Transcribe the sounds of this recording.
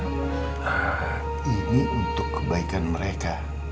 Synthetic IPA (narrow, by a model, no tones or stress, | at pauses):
iniunt̪ʊkːəbaikanməɾeka